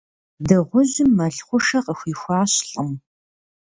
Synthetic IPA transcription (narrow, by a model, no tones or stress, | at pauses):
dɨʁʷʊʑɪmːɐɬχʷʊʂɐqəxʷiːxʷaːɕɬʼəm